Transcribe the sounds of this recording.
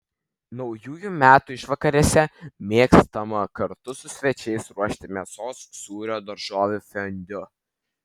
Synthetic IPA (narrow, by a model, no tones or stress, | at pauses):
nɒʊjuːjumʲæːt̪ʊɪʃʋɐkɐɾʲiɛsʲɛmʲeɛkst̪ɐmɐkɐɾt̪ʊsʊsʲʋʲɛt͡ʃʲɛɪsɾuɔʃʲt̪ʲɪmʲeɛsoːsːuːɾʲoːd̪ɐɾʒoːʋʲʊfʲɛnʲd̪ʲʊ